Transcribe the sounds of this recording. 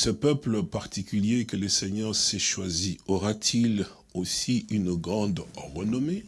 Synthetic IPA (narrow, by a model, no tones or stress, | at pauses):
səpœpləpaʁt̪ikʲyljekəlesɛɲɑ̃sɛʃwaziɔʁat̪ʰil | osiynɡʁɑ̃d̪ʁənɔme